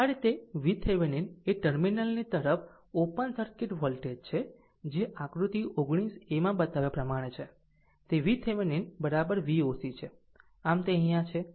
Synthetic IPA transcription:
aɾit̪eʋit̪ʰeʋenineʈəɾminəlnit̪əɾəfʰ | opənsəɾkɪʈʋɔlʈeɖ̚t͡ʃʰe | d͡ʒeʔãkɾut̪iʔoɡɽ̃isemãbət̪aʋjepɾəmaɽ̃et͡ʃʰe | t̪eʋit̪ʰeʋeninbəɾabəɾʋiosit͡ʃʰe | amt̪eəɦĩjãt͡ʃʰe

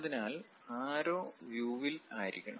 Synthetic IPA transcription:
ðinaːl | aːɾoːʋjuːʋilaːjiɾḭkʲːɐɳɐ̰

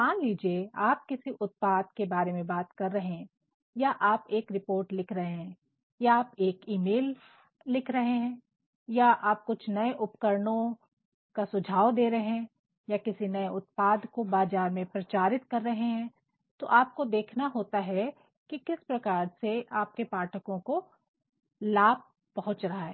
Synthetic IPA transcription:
maːnliːd͡ʒieaːp̚kɪsiʔʊt̪̚paːd̪̚kebaːɾemẽbaːt̪kɐɾːɐɦeɦɛ̃ | jaʔaːpeːkɾɪpoːɾʈlɪkʰɾɐɦeɦɛ̃ː | jaːpeːkiːmeːlː | ɪkʰɾɐɦeɦɛ̃ː | jaʔaːp̚kʊt͡ʃʰnɐeʔʊpkəɾɳõ | kasʊd͡ʒʱaːʋd̪eːɾɐɦɛ̃ | jakɪsinɐeʊt̪̚paːd̪kobaːd͡ʒaːɾmẽpɾɐt͡ʃaːɾɪt̪̚kɐɾːɐɦeɦɛ̃ː | t̪oʔaːp̚kod̪eːkʰnaɦoːt̪aɦɛ | kikɪspɾɐkaːɾseaːp̚kepaːʈʰəkõko | laːb̚ | pɐɦʊ̃t͡ʃɾɐɦaɦɛː

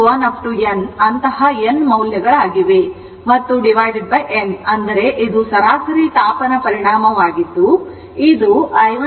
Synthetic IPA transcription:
aːnɐp̚ʰʈuenɐnt̪ɐɦɐenmɐwljɐɡɐɭaːɡiʋe̞ | mɐt̪ːuɖiʋaːjɖeɖ̚bɐjʔenɐnd̪ɐɾe̞ʔid̪usɐɾaːsɐɾit̪aːpɐnɐpɐɾiɳaːmɐʋaːɡid̪ːu | id̪uɐɐ

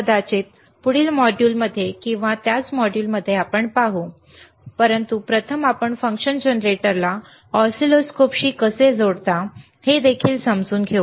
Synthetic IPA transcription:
əd̪at͡ɕet̪̚ | puɽiːlmɔɖjuːlməd̪ʱːjekĩw̃ʋat̪jat͡smɔɽjuːlməd̪ʱːjeapəɳpaɦuː | pəɾənt̪upɾət̪ʰəmapəɳfəŋkɕənd͡ʑənɾeʈəɾla | ɔsiloskopɕiːkəsed͡zoɽt̪a | hed̪ekʰiːlsəmd͡zuːnɡʱeu

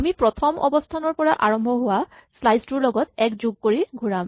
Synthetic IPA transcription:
amipɹɔtʰɔmʔɔ̰bɔstʰanɔɹpɔɹaʔaɹɔmbʱɔɦʊwaslajstuɹlɔɡɔtɛkzoɡ̚koɹiɡʱuɹam

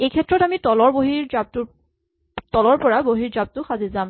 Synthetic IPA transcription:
ejkʰɛtːɹɔtamitɔlɔɹboɦiɹzab̚tʊ | tɔlɔɹpɔɹaboɦiɹzab̚tʊxazizam

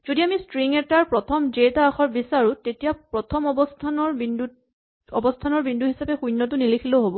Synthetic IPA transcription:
z̥odiamistɹiŋɛtaɹpɹɔtʰɔmd͡ʒetaːxɔɹbisaɹutetijapɹɔtʰɔmɔbɔstʰanɔɹbindu | ɔbɔstʰanɔɹbinduɦisapɛxujnːɔt̬ʊnilikʰiloɦobɔ

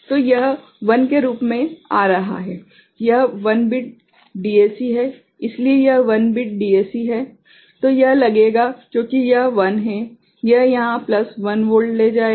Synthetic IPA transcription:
t̪oːjɐɦ | ʋɐnkeɾuːpmẽaːɾɐɦa̰ɦɛː | jɐɦʋɐnbɪʈ̚ | ɖiːeːsiɦɛ | ɪsliejɐɦʋɐnbɪʈ̚ɖiːeːsiɦɛː | t̪ojɐɦlɐɡeːɡakjõːkijɐɦʋɐnɦɛ | jɐɦjɐɦãplɐsʋɐnʋoːɾɖleːd͡ʒaːe

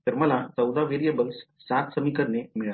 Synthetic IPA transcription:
t̪əɾməlat͡səwd̪aʋeɾijəbəlsːat̪səmikəɾnemiɭa

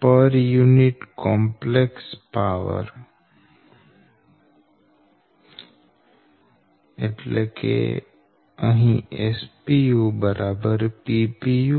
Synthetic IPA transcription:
pəɾjunɪʈkɔ̃ːmplekspaːʋə̰ɾ | eʈlekʰḛ | əɦĩespijubəɾʔaːbəɾpipiju

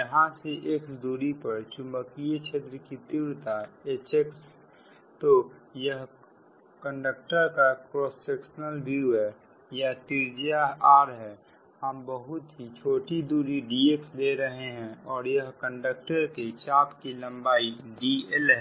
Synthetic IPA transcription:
jəɦãseʔeksd̪uːɾipəɾt͡ʃʊ̃mbəkijet͡ʃʰet̪ɾəkit̪iwɾt̪aet͡ʃeks | t̪ojəɦ | kə̃ɳɖək̚ʈəɾkakɾɔːsekʃənəlbuɛ | jaɦt̪iɾd͡ʒijaaːɾɦɛː | həmbəɦʊt̪ɦit͡ʃʰoːʈid̪uːɾiɖiːeksleɾəɦeɦɛ̃ɔːɾjəɦkə̃ɳɖək̚ʈəɾket͡ʃaːpkilɐ̃mbaːiɖiɛlɦɛ

